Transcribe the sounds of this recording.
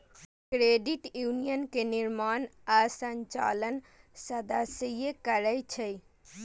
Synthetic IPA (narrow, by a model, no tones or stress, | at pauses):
kɾeːɖiʈjuːnijənkeniɾmaːnasəɲt͡ʃa̰ːlən | səd̪asəjekəɾəjt͡ʃʰəj